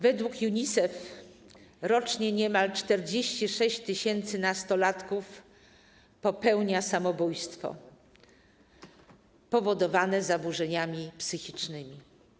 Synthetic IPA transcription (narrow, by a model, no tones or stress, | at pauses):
vɛd̪wukjuɲisɛf | ɾɔt͡ʂɲɛɲɛmalt͡ʂt̪ɛɾd͡ʑeɕt͡ɕiʂɛɕt͡ɕt̪ɘɕɛnt̪sɘnast̪ɔlat̪kuf | pɔpɛwɲasamɔbujst̪fɔ̰ | pɔvɔd̪ɔvanɛzabuʐɛɲamʲipsɘxʲit͡ʂnɘmʲi